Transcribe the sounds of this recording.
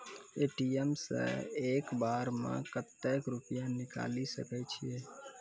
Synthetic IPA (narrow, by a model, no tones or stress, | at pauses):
eːʈiemsḛ̃eːkbaːɾmã̰kət̪ːɛkɾʊpjãnɪka̰ːlisə̰kɛt͡ʃʰijeː